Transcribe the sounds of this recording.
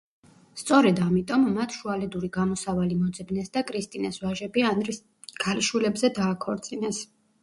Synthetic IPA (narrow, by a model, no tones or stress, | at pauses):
st̪sʼɔɾɛd̪amit̪ʼɔmːat̪ʰʃualɛd̪uɾiɡamɔsavalimɔd̪zɛbnɛsd̪akʼɾist̪ʼinɛsvaʒɛbianɾi | ɡ̥aliʃwilɛbzɛd̪aːkʰɔɾt̪sʼinɛs